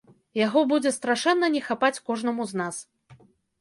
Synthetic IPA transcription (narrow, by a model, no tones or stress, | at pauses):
jaɣɔbud͡zʲɛst̪ɾaʂɛnːɐnʲɛxapat͡sʲkɔʐnɐmuznas